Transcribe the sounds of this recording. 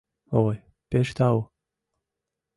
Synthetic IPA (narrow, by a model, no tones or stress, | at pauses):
oj | peʃt̪ɑw